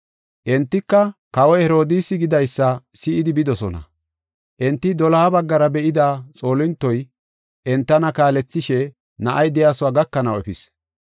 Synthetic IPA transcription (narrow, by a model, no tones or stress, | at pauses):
ʔɛnt̪ːɪkːɐkɐwɔhɛɾo̞ːd̪iːsɪɡɪd̪ɐjsːɐsɪʔɪd̪ɪbɪd̪ɔsɔnɐ̰ | ʔɛnt̪ːɪd̪ɔlɐːbɐɡːɐɾɐbɛʔɪd̪aːt͡sʼo̞ːlɪnt̪ːɔj | ʔɛnt̪ːɐnɐkaːlɛt͡sːɪʃɛ | nɐʔɐjd̪ɛjaːsʊwaːɡɐkːɐnɐwɛfɪs